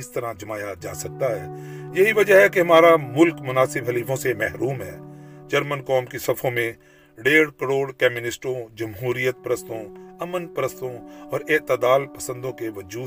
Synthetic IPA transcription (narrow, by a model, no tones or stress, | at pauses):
ɪst̪əɾãd͡ʒɐmaːjad͡ʒa̰ːsɐk̚t̪aɦɛːjɐɦiʋɐd͡ʒəɦɦɛkeɦɐmaːɾamʊlkmʊnaːsɪbɦɐliːfõsemɛɦɾuːmɦɛ̰ːd͡ʒɐɾmənkɔːmkisɐfʰõmẽ | ɖeːɽkəɾoːɽkɛːmjʊnɪsʈõd͡ʒɐmɦuːɾijət̪̚pɾəst̪õɐmənpɾəst̪õɔːɾɪt̪əd̪aːlpɐsə̃nd̪õkeʋɐd͡ʒuː